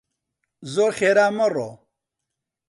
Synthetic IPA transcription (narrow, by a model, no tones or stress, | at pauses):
zoːɾχeːɾaːməro